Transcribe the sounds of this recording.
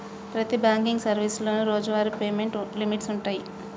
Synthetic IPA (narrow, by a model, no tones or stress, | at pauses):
pɾɐt̪ibaːŋkiŋɡsɐɾʋislo̞ːnuɾoːd͡ʒuʋaːɾipeːme̞ɳʈlimiʈsuɳʈaːji